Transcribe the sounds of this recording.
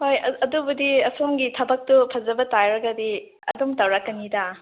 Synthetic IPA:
hojɐɐdubudiɐsomɡitʰɐbɐk̚tupʰɐzɐbɐtajɾɐɡɐdi | ɐ̰dumtɐwɾakːɐnida

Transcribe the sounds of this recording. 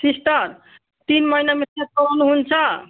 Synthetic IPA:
sisʈəɾ | t̪inməɦinametet̪̚kəɾɔnuɦunt͡ʃʰə

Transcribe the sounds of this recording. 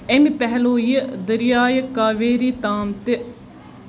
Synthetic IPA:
emipɛɦloːjid̪əɾɪjaːjkaːʋeːɾiːt̪aːmt̪e

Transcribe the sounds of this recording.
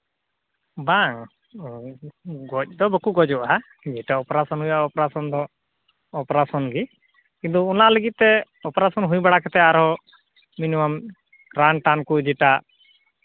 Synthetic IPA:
baŋ | ɡɔc̚ˀd̪ɔbəkuɡɔd͡ʒɔʔa | d͡ʒɛʈaɔpɾasɔnɦujaɔpɾasɔnd̪ɔ | ɔpɾasɔnɡi | kĩnt̪ɔunaʔləɡit̪̚t̪ɛ | ɔpɾasɔnɦujbaɽakɛt̪ɛaɾɦɔ | minimam | kɾanʈankud͡ʒɛʈa

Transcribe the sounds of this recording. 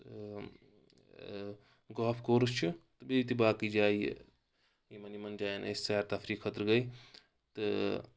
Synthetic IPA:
ɡaːpʰkoːɾɨst͡ʃʰut̪ɨbit̪ibaːkid͡ʒaːj̰ | jimɐnimɐnd͡ʒaːjnʔḛssaːɾt̪afʰɾiːkʰət̪ɾɡɐj | t̪ɨ

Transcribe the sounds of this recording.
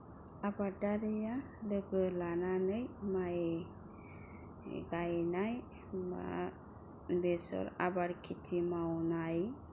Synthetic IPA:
abadaɾija | ləɡəlananəjmae | ɡanaj | ma̰ | besɔ̰ɾa̰baɾkʰit̪ʰimawnaj

